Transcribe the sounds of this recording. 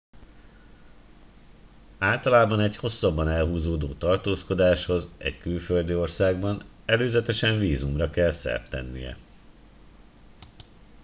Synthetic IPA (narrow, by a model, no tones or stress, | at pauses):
aːlt̪ɒlaːbɒnɛɟho̞sːɒbːɒnɛlɦuːzoːd̪oːt̪ɒrt̪oːsko̞d̪aːʃho̞zɛ̰ɟkylføld̪io̞rsaːɡbɒn | ɛløːzɛt̪ɛʃɛɱviːzumrɒkɛlsɛ̰rt̪ɛ̰nːḭjɛ̰